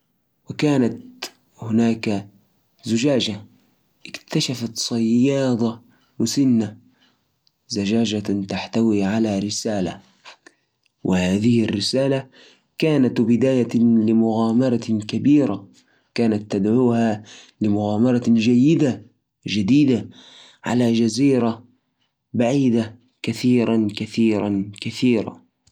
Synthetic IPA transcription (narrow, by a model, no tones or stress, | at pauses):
wɪkaːnat̪ | hʊnaːka | zʊd͡ʒaːd͡ʒa | ʔɪkt̪aʃafat̪sˤɑjːɑːd̪ˤɑ | mʊsɪnːa | zad͡ʒaːd͡ʒat̪aħt̪awiːʕalaɾɪsaːla̰ | wʔɪhaːðɪhɪrːɪsaːla | kaːnat̪bɪd̪aːjalɪmʊɣaːmɑɾˤɑkabiːɾa | kaːnat̪ːad̪ʕuːhalɪmʊɣaːmɑɾˤɑd͡ʒajːɪd̪a | d͡ʒad̪iːd̪a | ʕa̰lad͡ʒaziːɾa | baʕiːd̪a | kaθiːɾakaθiːɾankaθiːɾa̰